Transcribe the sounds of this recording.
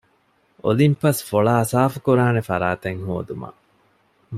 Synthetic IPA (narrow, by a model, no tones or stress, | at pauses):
ʔo̰limpɐsfoɭaːsaːfukuɾaːnefɐɾaːt̪eŋɦoːd̪umɐ̰